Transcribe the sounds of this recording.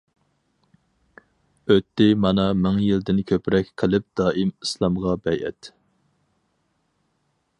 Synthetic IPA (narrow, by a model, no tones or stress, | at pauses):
øt̪ʰːɪmɑnɑmɪŋjild̪ɪnkʲʰøpɾɛkʲqʰəlɪp̚d̪̥ɑːimislˠɑmʁɑbɛjʔɛ̰t̪